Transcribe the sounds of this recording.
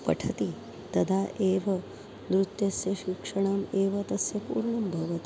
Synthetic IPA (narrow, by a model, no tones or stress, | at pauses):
pɐ̰ʈʰɐt̪i | t̪ɐd̪ʱaːʔeːʋɐ | nd̪ɾut̪jɐsjɐʃikʂɐɳ̃aːmeːʋɐt̪ɐsjɐpṵːɾɳɐmbʱɐʋɐt̪i